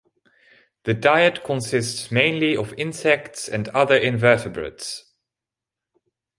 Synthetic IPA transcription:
ðɨdaɪɨtkʰə̃nsɪstsmẽɪ̃nliəvɪ̃nsɛk̚tsɨ̃ndʌðə˞ʔɪ̃nvɜˑ˞tɨbɹə̰ts

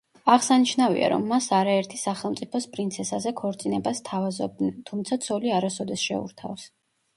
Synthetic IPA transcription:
aʁsaniʃnavḭa̰ɾɔ̰mːasaɾaɛɾt̪ʰisaχɛlˠmt̪sʼipʰɔspʼɾint̪sʰɛsazɛkʰɔɾt̪sʼinɛbast̪ʰavazɔ̰b̚d̪nɛnt̪ʰumt̪sʰat̪sʰɔliaɾasɔd̪ɛsʃɛ̰ṵɾt̪ʰa̰fs

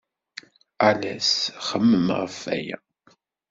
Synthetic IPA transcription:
alæsχəmːəmʁəfːæ̰jæ̰

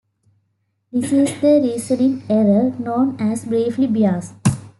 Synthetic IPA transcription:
d̪isisd̪əɾiːsənĩŋeɾənõːnæsbɾeːʋlibiaːs

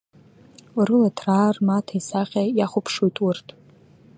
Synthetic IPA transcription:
rɨlatʰraːrmatʰaisaqʲʼajaχʷʊpʰʂojtʼurtʼ

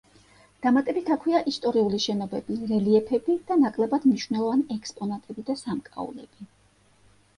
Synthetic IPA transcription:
d̪̥amat̪ʼɛbit̪ʰakʰwiaʔist̪ʼɔɾiuliʃɛnɔbɛb̥iɾɛliɛpʰɛbid̪̥anakʼlɛbad̪̥mniʃwvnɛlˠɔvaniɛkʼspʼɔnat̪ʼɛbid̪asamkʼa̰ṵlɛ̰b̥i

